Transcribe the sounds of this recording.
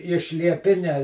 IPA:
ɪʃ lʲiɛˈpʲɪnʲɛ

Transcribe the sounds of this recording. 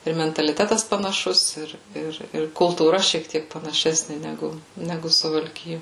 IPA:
ɪr mʲɛntɐlʲɪˈtʲæːtɐs pɐnɐˈʃʊs ˈɪr ˈɪr ɪr kʊlˠtuːˈrɐ ʃʲiɛk ˈtʲiɛk pɐnɐˈʃʲæːsʲnʲɪ nʲɛˈɡʊ ˈnʲæːɡʊ sʊʋɐlʲˈkʲɪjoː

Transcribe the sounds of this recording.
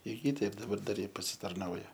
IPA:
ɪr ˈjɪ ˈtʲɛɪp dɐˈbɐr ˈdɐr ˈjɪ pɐsʲɪtɐrˈnɐʊjɛ

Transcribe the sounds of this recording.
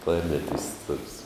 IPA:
ˈklˠɐrʲnʲɛˌtʲɪsts toːks

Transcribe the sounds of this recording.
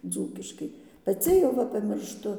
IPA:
ˈd͡zuːkʲɪʃkɐɪ pɐˈt͡sʲɪ jɛʊ ˈʋɐ pɐmʲɪrʃˈtʊ

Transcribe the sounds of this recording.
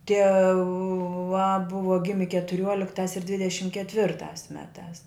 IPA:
tʲiɛˈʋɐ ˈbʊʋɐ ˈɡʲɪmʲɪ kʲɛtʊˈrʲuɔlʲɪktɑːs ɪr ˈdʲʋʲɪdʲɛʃʲɪm kʲɛtʲˈʋʲɪrtɑːs ˈmʲæːtɑːs

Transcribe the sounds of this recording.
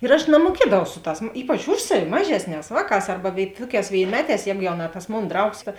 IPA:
ɪr ɐʃ nɐmuɔˈkʲiɛdɐʋɐʊ ˈsʊ ˌtɑːs ˈiːpɐt͡ʃ ˈʊʃ sɐˌʋʲɪ ˈmɑːʒʲɛsʲˌnʲɛːs ˈʋɑːˌkɑːs ˈɐrbɐ ʋʲeːɪ ˈtuɔˌkʲɛːs ʋʲeːɪnʲˈmʲæːˌtʲɛːs ˈjɛːɡʊ jɛʊ nɐ tɐs ˈmoːn ˈdrɐʊks kɐ

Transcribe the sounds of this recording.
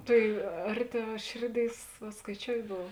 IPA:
ˈtɐɪ ˈɐrʲˌtʲɛʊ ˈʃʲeːrʲˌdʲeːɪs ʋɐ skɐɪˈt͡ʃʲoːʊtʲ ˈboːw

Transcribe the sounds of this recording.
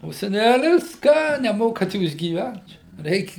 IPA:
oː sʲɛˈnʲælʲɪs ˈkɑː nʲɛˈmoːkɐt ˈjuːs ɡʲiːˈʋʲɛnt t͡ʃʲɛ ˈrʲɛɪkʲ

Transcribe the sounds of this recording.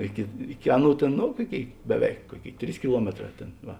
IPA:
ˈɪkʲɪ ˈɪkʲɪ ˈɑːˌnuː ˈtʲeːn ˈnoː ˈkuɔˌkʲeːɪ bʲɛˈʋʲɛɪk ˈkuɔˌkʲeːɪ ˈtʲrʲiːs kʲɪˈlˠuɔmʲɛtˌrɑː ˈtʲeːn ˈʋɐ

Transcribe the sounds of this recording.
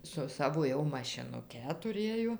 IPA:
sʊ ˈsɑːʋoː jɛʊ mɐʃʲɪnʊˈkʲɛ tʊˈrʲeːjoː

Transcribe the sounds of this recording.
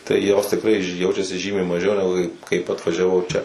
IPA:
tɐɪ joːs tʲɪkˈrɐɪ ˈjɛʊt͡ʃʲɛsʲɪ ˈʒʲiːmʲɛɪ mɐˈʒʲɛʊ nʲɛˈɡʊ ˈkɐɪ ˈkɐɪp ɐtʋɐʒʲɛˈʋɐʊ ˈt͡ʃʲɛ

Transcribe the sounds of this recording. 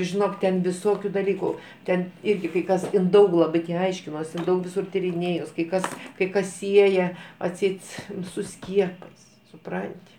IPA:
ʒʲɪˈnoːk tʲɛn ʋʲɪˈsoːkʲʊ dɐˈlʲiːkʊ ˈtʲɛn ˈɪrʲɡʲɪ kɐɪ ˈkɐs ˈɪn ˈdɐʊk lˠɐˈbʲɪ tʲɪ ˈɐɪʃʲkʲɪnoːsʲɪ ɪn ˈdɐʊk ʋʲɪˈsʊr tʲiːrʲɪˈnʲeːjʊs kɐɪ ˈkɐs kɐɪ ˈkɐs ˈsʲiɛjɛ ɐtʲˈsʲɛɪt sʊ ˈsʲkʲiɛpɐɪs sʊˈprɐnʲtʲɪ

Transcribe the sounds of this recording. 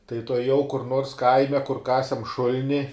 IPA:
tɐɪ tuɔˈjɛʊ kʊr noːrs ˈkɐɪmʲɛ kʊr ˈkɑːsʲɛm ˈʃʊlʲnʲɪ

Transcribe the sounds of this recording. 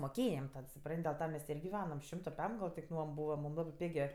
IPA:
moːˈkʲeːjɛm tʲɛn sʊˈprɐnʲtʲ dʲɛlˠ ˈtɐ mʲɛs ˈtʲeː ɪr ɡʲɪˈʋʲæːnɐm ˈʃʲɪmtoː ˈpʲɛm ɡɐlˠ tʲɪk ˈnuɔm ˈbuːʋɐ ˈmuːm ˈlˠɑːbɜ ˈpʲɪɡʲeː

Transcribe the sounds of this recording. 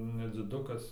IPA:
nʲɛd͡zʲɪˈdʊkɐs

